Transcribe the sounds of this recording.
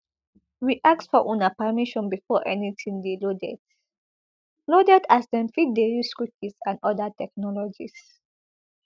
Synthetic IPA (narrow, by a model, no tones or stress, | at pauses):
wiʔak̚tsfɔʔũnapamiʃɔ̃nbifɔʔɛ̰nitʰĩŋdilodɛ̰d | lodɛdasdɛ̃mfit̚deɹiskɹip̚isãnɔdatʰɛk̚nɔlɔd͡ʒis